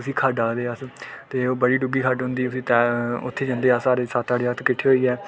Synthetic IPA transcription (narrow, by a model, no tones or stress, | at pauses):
ʊsĩːkʰaːɖaːkd̪eːast̪eːoːbəɽiːɖʊɡiːkʰaɖɦʊ̃nd̪iːʊsĩːt̪ɛːʊt̪ʰːeːd͡ʒãːnd̪eːaːsaːɾeːsat̪ːaːɽeːət̪kɪʈʰːeːɦoːiːɛː